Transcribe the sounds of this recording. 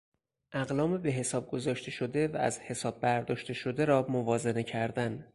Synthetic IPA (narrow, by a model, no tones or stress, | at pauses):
ʔæɣlɒːmebe̞ɦe̞sɒːb̚ɡo̞zɒːʃt̪ʰe̞ʃo̞d̪e̞vææ̰zhe̞sɒːb̚ːæɾd̪ɒːʃt̪e̞ʃo̞d̪eɾɒːmovɒːze̞ne̞cʰæɾd̪æn